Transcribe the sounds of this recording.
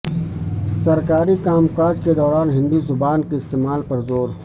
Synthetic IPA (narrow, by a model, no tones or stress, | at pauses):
sɐɾkaːɾikaːmqaːd͡ʒked̪ɔːɾaːnɦɪ̃nd̪uzʊbaːnkeɪst̪eːmaːlpɐɾzoːɾ